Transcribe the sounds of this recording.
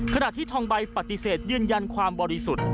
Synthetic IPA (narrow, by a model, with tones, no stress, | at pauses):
kʰa˧na˨˩ʔt̪ʰiː˥˩t̪ʰɔː˧ŋba˧jpa˨˩t̪ːi˧seː˨˩t̪̚jɯː˧nja˧nkʰwaː˧mbɔː˧ɾi˧su˨˩t̪̚